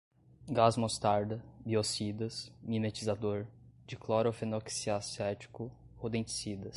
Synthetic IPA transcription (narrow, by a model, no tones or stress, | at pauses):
ɡazmost̪aɾd̪ɐbiosid̪ɐsminet͡ʃizad̪oɾd͡ʒɪklɔɾofenoksiasɛt͡ʃi̥kʊ | hod̪ẽt͡ʃi̥sid̪ɐs